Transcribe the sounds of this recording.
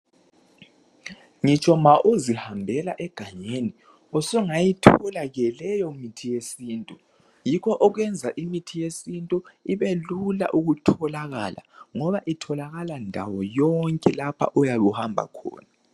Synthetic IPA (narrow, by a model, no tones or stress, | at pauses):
ŋit͡ʃʼɔmaʔozihambʱɛlaʔɛɡ̥ʱaɲeni | ɔsuŋajitʰɔlaɣɛlɛjɔmitʰijesiːntʼu | jikʰɔʔɔɣwɛnd͡zʱaʔimitʰijesintʼuiβelula̰ʔuɣutʰɔlaɣa̰la̰ŋɔβaʔitʰɔlaɣalandʱa̰wɔjɔŋkʼɛlapʰa̰ʔɔjaɣuhambʱa̰kʰɔ̰ːna